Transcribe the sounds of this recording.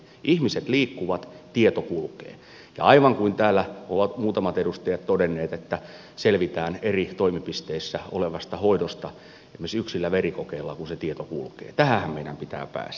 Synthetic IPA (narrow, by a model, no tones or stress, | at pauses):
ʔihmiset̪liːkːuʋɑt̪t̪iet̪okulkḛː | jɑ̰ɑiʋɑŋkuint̪æːlːæoʋɑt̪muːt̪ɑmɑt̪edust̪ejɑt̪t̪odenːeːt̪et̪ːæ | selʋit̪æːnerit̪oimipist̪eːsːæo̰leʋɑst̪ɑhoidost̪ɑ | emesyksilːæʋerikokeilːɑkunset̪iet̪okṵlkḛːt̪æhæhæmmeinæ̰mpit̪æ̰ːpæ̰ːs